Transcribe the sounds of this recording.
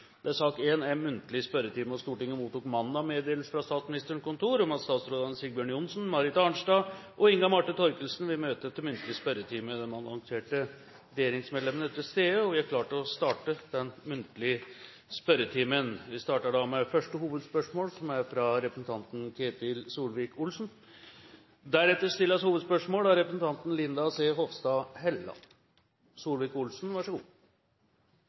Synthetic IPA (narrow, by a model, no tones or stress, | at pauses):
d̪ɛæsɑːkeːnæɾmʉnt̪əlɪspœɾət̪ʰiːməɔst̪uːʈɪŋːəmuːt̪ːuːkmɑnːd̪ɑmeːd̪eːlsəfɾɑst̪ɑːt̪smnɪst̪əəɳkʊnt̪ʰuːɾʊmɑst̪ɑːt̪sɾoːd̪ɑnsɪɡbjøːɳjʊnsnmɑɾɪt̪ɑɳʂɖɑːʔɔɪŋɡɑmɑʈːɪnt̪ʰɔɾkəlsnʋɪmøːt̪ət̪ʰɪmʏnt̪əlɪəspœɾət̪ʰiːməd̪ɛmɑnɑŋseːʈə | ɾɛjeːɾɪŋsmed̪lɛmənəɛt̪ːɪst̪eːəɔʋɪækʰlɑːʈəɔst̪ɑːʈəd̪ɛnmʉnt̪əlɪə | spœɾət̪ʰiːmənʋɪst̪ɑːʈəɖɑmɛfœʂʈəhuːʋəd̪spœʂmoːlsɔmæɾfɾɑɾɛpɾəsn̩t̪ʰɑnt̪n̩kʰeːt̪ɪlsuːlʋiːkʊlsn̩ | d̪æɾɛt̪ːəɾʂt̪ɪlːɑshuːʋəd̪spœʂmoːlæɾɛpɾəsnt̪ʰɑnt̪nlɪnd̪ɑseːɦɔʋst̪ɑːhɛlːɑ̰ | suːlʋiːkʊlsn̩ʋɑʂəɡuː